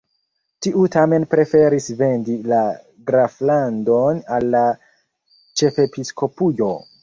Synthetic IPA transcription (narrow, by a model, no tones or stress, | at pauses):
tiʔutame̞npɾe̞fe̞ɾisve̞ndila | ɡɾaflandonalːa | t͡ʃe̞fe̞pisko̞pujo̞